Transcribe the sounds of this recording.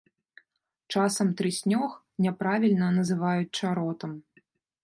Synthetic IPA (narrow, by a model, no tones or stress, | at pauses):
t͡ʂasɐmt̪ɾɨsʲnʲɔx | nʲɛpɾavʲilʲnɐnɐzɨvajut͡sʲt͡ʂaɾɔt̪ɐm